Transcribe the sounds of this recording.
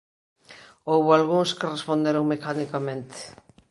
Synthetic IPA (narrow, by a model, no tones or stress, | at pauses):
owβʊalɣuŋskɪrespõnd̪eɾoŋmekanikamẽnt̪e̥